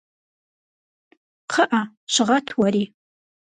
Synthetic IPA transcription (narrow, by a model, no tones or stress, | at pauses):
qʰəʔa | ɕɪʁɐtʰwɐɾiː